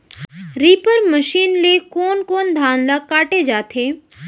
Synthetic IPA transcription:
ɾiːpəɾməʃiːnlekɔːnkoːnd̪ʱaːnlakaːʈed͡ʒaːt̪ʰeː

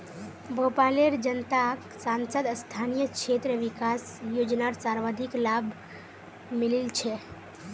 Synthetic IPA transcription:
bopaleɾd͡ʒənt̪ak | sansəd̪əst̪ʰanijəkt͡ʃʃʰet̪ɾəʋikas | jod͡ʒnaɾsaɾʋad̪ʱiklabʱ | mililt͡ʃʰɛ

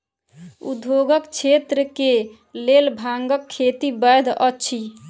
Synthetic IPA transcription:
ṵd̪ʱjoɡəkt͡ʃʰet̪ɾəke | lelbʱaŋɡəkʰːet̪ibəjd̪ʱətːt͡ʃʰi

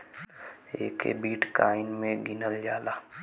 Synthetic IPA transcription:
ḛːkḛbiːʈʰkaːɪnmẽɡɪnəld͡ʒaːlaː

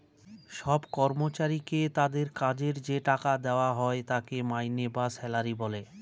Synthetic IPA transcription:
ʃɔbkɔɾmot͡ɕaɾiket̪ad̪eɾkad͡ʑeɾd͡ʑeʈakad̪eoaɦɔet̪akemajnebasɛlaɾibɔle

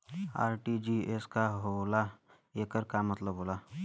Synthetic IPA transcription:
a̰ːɾʈid͡ʒieskaɦola | eːkəɾkamɐt̪ləbɦoːla

